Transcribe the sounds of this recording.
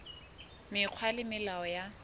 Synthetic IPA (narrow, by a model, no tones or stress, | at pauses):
mɪq͡χʰwalɪmɪlaɔja